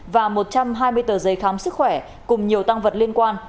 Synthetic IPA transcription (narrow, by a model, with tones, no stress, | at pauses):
vaː˨˩mo˨˩t̚t͡ɕa˧mɦaː˧jmɨ˧əjt̪əː˧˨˩zə˨˦jxaː˨˦msɨ˦˥k̚xwɛ˧˩ | kʊ˨˩ŋ͡mɲi˨˩əwt̪a˧ŋvə˨˩t̚li˧ənkwaː˧n